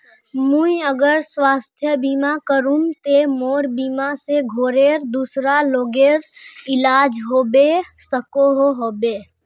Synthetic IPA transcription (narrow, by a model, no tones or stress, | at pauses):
mũiəɡəɾswaːst̪ʰjəbiːmakəɾunt̪emoːɾbiːmaseɡʱoːɾeːɾd̪uːsɾaloːɡeːɾɪlaːd͡ʒɦoːbesəkoɦoɦoːbeː